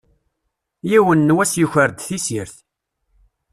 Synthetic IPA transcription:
jiwənːwæsjəçəɾd̪θisiɾθ

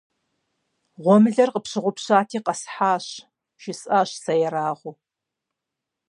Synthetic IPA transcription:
ʁʷɔmɨɮɐrqəpɕɪʁʷʊpɕaːtʰiːqɐsħaːɕ | ʃɪsʼaːɕsɐjɛɾaːʁʷʊ

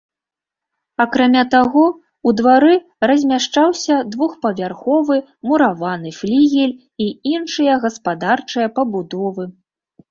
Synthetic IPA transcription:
akɾamʲat̪aɣɔ | ud̪vaɾɨ | rɐzʲmʲaʂt͡ʂawsʲɐd̪vuxpɐvʲarxɔvɨ | muɾavanɨflʲiɣʲɛlʲ | iinʂɨjɐɣɐspad̪art͡ʂɨjɐpɐbud̪ɔvɨ

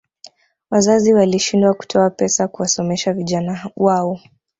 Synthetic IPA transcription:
wazaziwaliʃindwaku̥tʰɔapɛsakuwasɔmɛʃaviʄanawaɔ

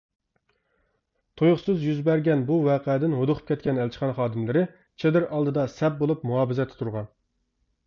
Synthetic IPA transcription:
t̪ʰojʊχsɨzjyzbɛɾɡʲɛnbuwɑːqɛd̪ɪnɦod̪ʊqʰə̥p̚kʲʰɛt̪̚ʲkʲʰɛnɛlt͡ʃʰi̥χɑnχɑːd̪ɪmlɪɾɪ | t͡ʃʰed̪ɪɾʔɑlˠd̪ɨd̪ɑsɛp̚bolˠupmuɑːbɪzɛt̪ʰːɪ̥t̪ʰuɾʁɑn

